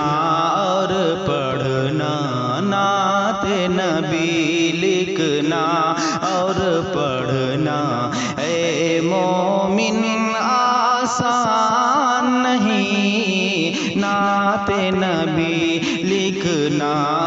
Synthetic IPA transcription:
ɔ | ɾpɐ | ɽ̤ | na | nat̪e | nɐ | bilɪkʰ | na | ɔ | ɾ | pɐ | ɽ | na | e | mo | mɪn | asa | nːɐɦĩ | na | t̪e | nɐ | bi | lɪkʰ | na

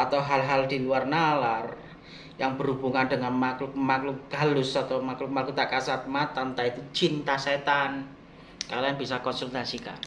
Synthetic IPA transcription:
at̪awɦalɦald̪̥iluarnalar | jaŋbəɾhubuŋanɖəŋanmaklʊk̚maklʊk̚ɡ̥a̤lʊsat̪awmakluk̚malkut̪akasat̪̚mat̪ant̪ait̪u̥t͡ʃint̪aset̪an | kalianb̥isakɔnsult̪asika̰

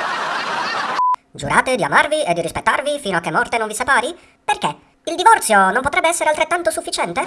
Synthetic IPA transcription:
d͡ʒṵɾʔaːt̪ed̪ia̰marvied̪ːiɾispet̪ːarvifiːnoak̟ːemːɔrt̪enoɱvisepaːɾi | perke | ild̪ivɔrt̪sjonomp̬ot̪ɾɛbːeɛsːeɾealt̪ɾet̪ːant̪osufːit͡ʃɛnt̪e

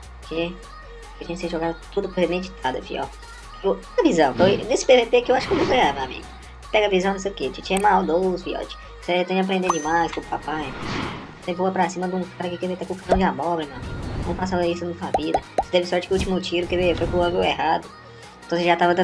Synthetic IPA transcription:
ke | et͡ʃĩɐkseʒɔɡad̪ʊt̪ud̪ʊpohemẽd͡ʒit̪ʰad̪ɐ̰pḭɔ̰ɾ | opɛɐvizɐ̃w̃fojnesɪ̥bevepekɪewaʃʊkenũw̃pɾẽɡamẽw̃amḭɡʊ | pɛɡɐvizɐ̃ñsejʊket͡ʃit͡ʃiɐmawd̪owspiɔ̰t͡ʃɪ̥ | set̪ẽɲd͡ʒʊap̬ɾẽnd̪ed͡ʒimajskõpapaj | sevoɐpɾasĩmɐd̪ũkaɾɐkɪkevet̪akõkaɐ̃w̃d͡ʒɪamɔɡlɐmẽw̃amḭɡʊnɐ̃w̃fpas̬aɐisʊnɐt̪uɐvid̪ɐsed̪ɛvɪsɔɾt͡ʃɪkɪut͡ʃimʊt͡ʃiɾʊkevefojkũɔɡuwɛɦad̪ʊ̃ | t̪ɐ̃w̃seʒat̪avɐd̪ɐ̃

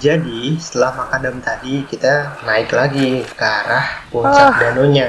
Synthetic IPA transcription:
d͡ʒadisə̥t̪əlahmakadamt̪adikit̪anaɪklaɡikaɾahput͡ʃak̚danoɲa

